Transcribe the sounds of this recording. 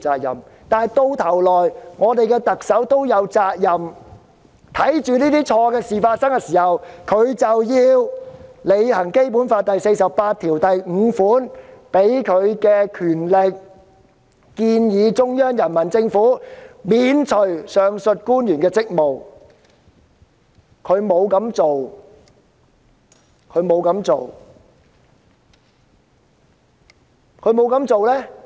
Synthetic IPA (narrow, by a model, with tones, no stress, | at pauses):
t͡saː˧k̚jɐ̰˨˩m | t̪aː˨jt̪o˧wt̪ʰɐ˨˩wlɔː˨˩jŋɔː˨˧t̪e˨jkɛː˧t̪ɐ˨k̚sɐ˨˥wt̪o˥wjɐ˨˧wt͡saː˧k̚jɐ˨m | t̪ʰɐ˨˥jt͡ʃyː˨niː˥t̪iː˥t͡ʃʰɔː˧kɛː˧siː˨faː˧t̚sɐ˥ŋkɛ˧siː˨˩hɐ˨wkʰɵ˨˧ɥt͡sɐ˨wjiː˧wle˨˧jhɐ˨˩ŋke˥jpu˨˥nfaː˧t̚t̪ɐ˨jse˧jsɐ˨ppaː˧t̪ʰiː˨˩wt̪ɐ˨jŋ̩˨˧˥fuː˨˥npe˨˥jkʰɵ˨˧ɥkɛː˧kʰyː˨˩nle˨k̚ | kiː˧njiː˨˧t͡sʊ˥ŋjœː˥ŋjɐ˨˩nmɐ˨˩nt͡sɪ˧ŋfuː˨˥miː˨˧nt͡sʰɵ˨˩ɥsœː˨ŋsɵ˨t̚kuː˥njyː˨˩nkɛː˧t͡sɪ˥k̚mo˨w | kʰɵ˨˧ɥmo˨˧wkɐ˨˥mt͡so˨w | kʰɵ˨˧ɥmo˨˧wkɐ˨˧˥mt͡so̰˨w | kʰɵ˨˧ɥmo˨˧wkɐ˨˥mt͡so˨wlɛː˥